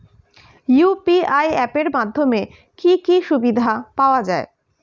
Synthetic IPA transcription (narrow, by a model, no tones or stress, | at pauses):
jupiajɛpeɾmad̪ʱːome | kikiʃubid̪ʱapaoad͡ʑae